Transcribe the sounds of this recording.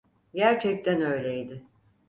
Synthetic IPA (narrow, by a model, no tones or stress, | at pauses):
ɟæɾt͡ʃʰɛc̚t̪ʰænø̞jlʲejd̪ɪ